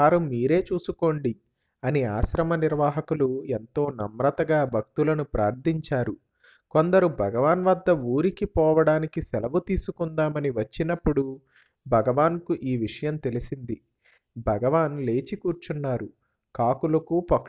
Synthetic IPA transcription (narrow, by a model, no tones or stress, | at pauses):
aːɾumiːɾe̞ːt͡ʃuːsuko̞ːɳɖi | ɐniaːʃɾɐmɐniɾʋaːɦɐkuluent̪o̞ːnɐmɾɐt̪ɐɡaːbʱɐk̚t̪ulɐnupɾaːɾd̪ʱiɲt͡ʃaːɾu | ko̞nd̪ɐɾubʱɐɡɐʋaːnʋɐd̪ːɐuːɾikipɔːʋɐɽaːnikisɛlɐʋut̪iːsukund̪aːmɐniʋɐt͡ʃːinɐpːuɽu | bʱɐɡɐʋaːnkuʔiːʋiʂɐjɐmt̪e̞lisind̪i | bʱɐɡɐʋaːnle̞ːt͡ʃikuːɾt͡ʃunːaːɾu | kaːkulɐkuːpɐk